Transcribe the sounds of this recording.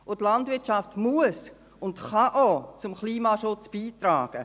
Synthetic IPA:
otlɑndvɪɐtt͡ʃɑftmuəs | ʊntχɑʔot͡sʊmkliːmɑʃʊt͡sb̥iːtraːɡ̥ə

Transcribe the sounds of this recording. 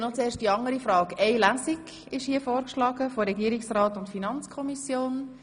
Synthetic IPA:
nɔt͡seːɾʃtdiɑŋəɾifɾɑːɡɛɪlæːsiɡ | ɪʃhiːəfoːɾkʃlɑːɡəfoɾɛɡiəɾɪksrɑːtʊntfinɑnt͡skʰɔmisjoːn

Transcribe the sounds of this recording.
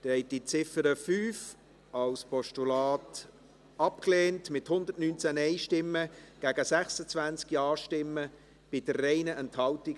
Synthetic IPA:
d̥ɛɛɪt̚d̥it͡sɪfəɾəfyːf | ɑlspʰɔʃtulɑːt | ɑpkleːntmɪthʊnd̪ətnyːnt͡sænɛɪʃtɪmːəɡ̥æːɡəsɛχsət͡svænt͡skjɑːʃtɪmːə | b̥ɪdərːɛɪnəʔɛnthɑltiɡ

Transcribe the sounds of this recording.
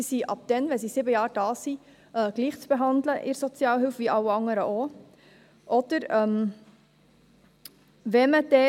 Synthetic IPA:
isiʔɑp̚d̥ɛnvɛnsisɪbəjɑːɾd̥ɑːsi | ʔəːɡ̥liːχt͡sb̥eɦɑndləʔɪɾsɔt͡sjɑːlɦɪlfʋiʔɑwɑŋəɾəʔo | ʔɔd̥əɾɛm | vɛməd̥ɛ

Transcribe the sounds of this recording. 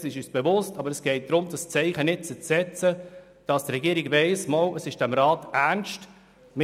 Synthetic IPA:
sɪʃyːsb̥evʊstɑbəɾɛsɡ̥ɛɪt̚d̪̥ɾʊmdɑst͡sɛɪχənɪt̚t͡sət͡sɛt͡sə | d̥ɑstrɛɡiəɾɪɡvɛɪsmɔləsɪʃd̥ɛmɾɑːtæɾnʃt | mɪ

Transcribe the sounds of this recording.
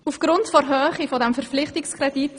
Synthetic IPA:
ufɡ̥ɾʊntfɔɾɦøːχifɔdɛmfɛɾp͡flɪχtikskrɛdit

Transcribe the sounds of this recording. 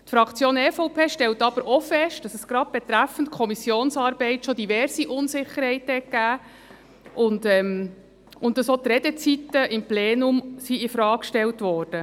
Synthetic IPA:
tfɾɑkt͡sjoːnɛfɔʊpʰeːʃtɛltɑb̥əɾʔofɛʃt̚d̥ɑsɛsɡ̥ɾɑd̚b̥ɛt̪ɾæfən̩tkʰɔmisjoːnsɑːɾb̥ɛɪtʃod̥ivɛɾsiʔʊnsɪχəɾhɛɪthɛt̚ɡ̥æː | ʔʊndɛm | ʔʊntdɑsot̪ɾɛd̥ɛt͡sit̪ːəʔɪmpleːnʊmsiɪfɾɑːkʃtɛltʋɔːrd̥ə

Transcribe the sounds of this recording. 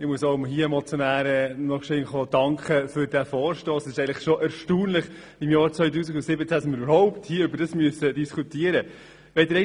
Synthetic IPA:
ɪmuəsoʊmɦiːəemɔt͡sjɔnæːɾɛnɔχʃɪnχodɑŋkχəfʏɾd̥æfɔːɾʃtoːsɛsɪʃɛɪəŋləχʃoʔæɾʃtuːnlɪχ | ɪmjɑːɾt͡sʋœʏtuːsiɡʊnsɪbət͡sæsnmɪyɾybəɾɦɔʊpthiːəʉbəɾd̥ɑsmyəsədiskʰutiəɾə | ʋɛɪdɾɛ

